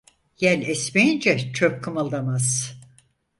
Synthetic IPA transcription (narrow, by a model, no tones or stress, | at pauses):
jælʲɛsmejind͡ʒɛt͡ʃʰøp̚kʰɯmalˠd̪amaz̥